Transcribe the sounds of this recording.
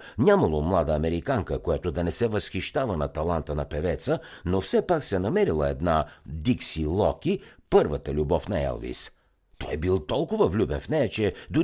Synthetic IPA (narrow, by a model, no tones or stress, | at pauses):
nʲamɐlˠomlˠad̪əːmɛɾikaŋkəkojat̪od̪ɐnɛsɛvəsxiʃt̪avənɐt̪ɐlˠant̪ənɐpɛvɛt̪sənofsɛpaksɛnɐmɛɾilˠəɛd̪nad̪iksilˠɔkʲipɤɾvət̪əlʲubɔfnɐɛ̰lˠvḭs | t̪ɔjɛbilˠt̪ɔlˠkʊvəvlʲubɛnfnɛjɐt͡ʃɛd̪ʊ